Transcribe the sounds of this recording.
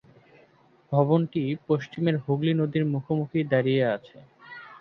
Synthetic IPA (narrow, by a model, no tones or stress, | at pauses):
bʱɔβonʈipoʃt͡ɕimeɾɦoɡlinod̪iɾmukʰomukʰid̪aɾijeat͡ɕʰe